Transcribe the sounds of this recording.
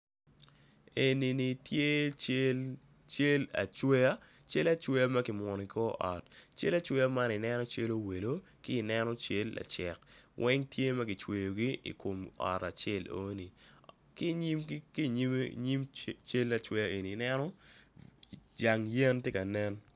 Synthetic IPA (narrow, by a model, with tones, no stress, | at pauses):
e˨ni˨ni˨tje˦ | t͡ʃe˦la̰˨t͡ʃwɛ˦a˦t͡ʃe˦la˦t͡ʃwe˦ja˦mɐ˦kɪ˨mɔ˨ni˨kɔ˦ʔɔ˨tt͡ʃḛ˦la˨t͡ʃwɛ˦ja˦ma˦nɪ˨nɛ˦nɔ˦t͡ʃe˦lo˦we˨lo˦ | kɪː˦˨nɛ˦nɔ˦t͡ʃe˦lːa̰˨t͡ʃɛ̰˨kwʔɛ˦ŋtje˦mɐ˦ɡɪ˨t͡ʃwe˨jo˨ɡi˦ḭ˨ko˨mɔ̰˨ta˨t͡ʃe˦˨lo̰˦ni˨ | ki˦ɲi˦mki˦ɲɲi˦mt͡ʃe˦lːa˨t͡ʃwɛ˦ja˦e˨niː˨nɛ˦nɔ˦ | d͡ʒa˨ŋjɛ˦ntje˦ka˨nɛ˦n